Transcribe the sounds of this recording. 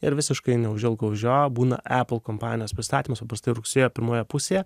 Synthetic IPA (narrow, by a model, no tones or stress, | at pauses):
ɪɾʋʲɪsʲɪʃkɐɪnʲɛʊʒʲɪlˠɡɐʊʒʲoːjobuːnɐ̰ʔæpl̩ˠkoːmpɑːnʲɪjoːspʲɾʲɪst̪ɑːt̪ʲiːmɐspɐpɾɐst̪ɐɪɾʊksʲeːjoːpʲɪɾmoːjɛpʊsʲeːjɛ